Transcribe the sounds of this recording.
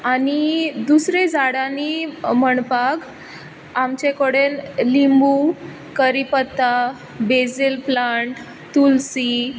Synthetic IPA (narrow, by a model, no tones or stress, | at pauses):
anid̪usɾed͡zaɽãniməɳpaɡ | amt͡ɕekəɽenlimbu | kəɾipət̪ːa | bed͡zilplaɳʈ | t̪ːulsi